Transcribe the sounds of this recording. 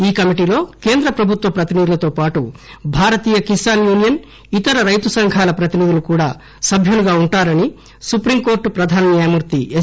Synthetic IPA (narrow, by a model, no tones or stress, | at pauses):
iːkɐmiʈiːlo̞ːkeːnd̪ɾɐpɾɐbʱut̪ʋɐpɾɐt̪inid̪ilɐt̪o̞ːpaːʈubʱaːɾɐt̪iːjɐkisaːnjuːnijɐn | it̪ɐɾɐɾɐjt̪usɐŋɡʱaːlɐpɾɐt̪inid̪ilukuːɽaː | sɐbʱjuluɡaːuɳʈaːɾɐni | supɾimko̞ːɾʈpɾɐd̪ʱaːnɐnjaːjɐmuɾt̪ie